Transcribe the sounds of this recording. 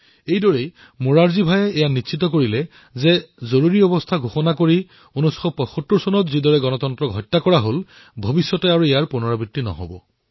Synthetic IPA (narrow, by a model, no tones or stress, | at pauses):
ejdɔɹej | moɹaɹzibʱajɛɛjanitːsʰit̬ɔk̬oɹilɛ | zɛzoɹuɹiɔbɔstʰaɡʱoxɔnakoɹi | onusxɔpɔxotːuɹsɔnɔtzidɔɹɛɡɔnɔtɔntɹɔɡʱɔjtːakɔɹaɦol | bʱobisjɔtɛaɹuejaɹpunɔɹabitːinɔ̰ɦɔ̰bɔ̰